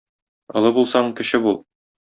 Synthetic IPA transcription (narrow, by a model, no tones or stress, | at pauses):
ɒ̰̆lˠɤbulˠsɑɴkɘ̆ɕɘbulˠ